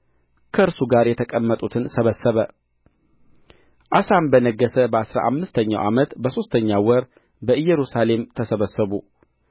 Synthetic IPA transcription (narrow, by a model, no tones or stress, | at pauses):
kʰəɨɾsuɡaɾjɛt̪ʰəkʼəmːət̪ʼut̪ʰɨnsəβəsːəβə | ʔasambənəɡːəsəbəasɾa̰ʔamːɨst̪ʰəɲːa̰wʔamət̪bəso̞st̪ʰəɲːawɔɾ | bəɨjːɛɾusale̞mt̪ʰəsəβəsəβu